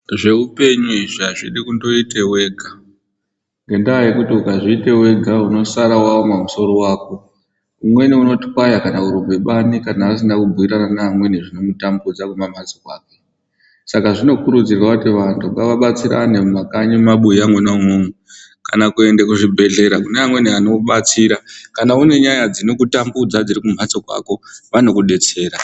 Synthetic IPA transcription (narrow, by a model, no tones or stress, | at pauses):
ʐe̞upe̞ɲuiʐiaʐiɗikundo̞ite̞we̞ːɡʱa | ŋɡe̞ndajekutiukaʐiite̞we̞ɡʱauno̞saɾawawomamuso̞ɾo̞waːko | umwe̞niuno̞ti̥kwajakanauɾumbeɓanikanaʋas̬inakubʱuiɾananamwe̞neʐino̞mutambud͡zakumamad͡zikwaːke̞ | sakaʐino̞kuɾud͡zirwakutiʋantʰuŋaʋaɓat͡siɾa̰nemakaɲimaɓuiamwenaumuŋu | kanakue̞ndekuʐibʱe̞ɮe̞ɾakuneamwe̞niano̞ɓat͡siɾakanaune̞ɲajad͡zino̞kutambud͡zad͡zirikum̤at͡sokwa̰ko̞ʋano̞kuɗe̞t͡se̞ːɾa